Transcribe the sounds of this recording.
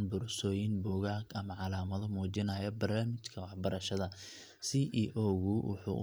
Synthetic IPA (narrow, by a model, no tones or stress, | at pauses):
nbʊɾsɔːjɪnbɔːɣaːɡɐmɐʕɑlaːmɐðɔmuːt͡ʃɪnɐjɐbɐrnaːmɪt͡ʃkʰɐwɑħbɐɾɐʃɐðɐ | siːʔiːʔɔːɣʊwʊ̰ħṵː